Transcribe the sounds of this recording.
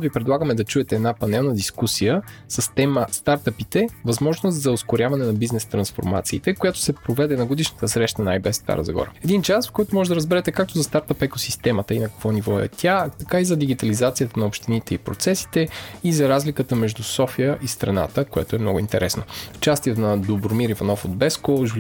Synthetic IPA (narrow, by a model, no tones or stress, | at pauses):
vipɾɛd̪lˠaɡəmɛd̪ɐt͡ʃuɛt̪ɛːd̪napɐnɛlˠnəd̪iskusijəsəst̪ɛməst̪aɾt̪əpit̪ɛvɐzmɔʒnost̪zɐoskʊɾʲjavɐnɛnɐbiznɛst̪ɾɐnsfo̰ɾma̰t̪siːt̪ɛkojat̪ʊ̥sɛpɾovɛd̪ɛnɐɡod̪iʃnət̪əsɾɛʃt̪ənajbɛsːt̪a̰ɾə̰zɐ̰ɡɔ̰ɾə̰ɛd̪int͡ʃasfkɔjt̪ʊmɔʒɛd̪ɐɾəzbɛɾɛt̪ɛkak̚t̪ozɐst̪aɾt̪əpɛkosist̪ɛmət̪əinɐkɐ̥kvɔnivɔɛ̰t̪ʲʰat̪ɐkaizɐd̪iɡʲit̪ɐlizat̪sijət̪ənɐopʃt̪init̪ɛipɾo̰t̪sɛsi̥t̪ɛizɐɾazlikət̪əmɛʒd̪usɔfijəʔist̪ɾɐna̰t̪əkojɛ̰t̪oɛmnɔɡʊint̪ɛɾɛsnoft͡ʃast̪it̪nɐd̪obɾomiɾivɐnɔfod̪bɛskoʒul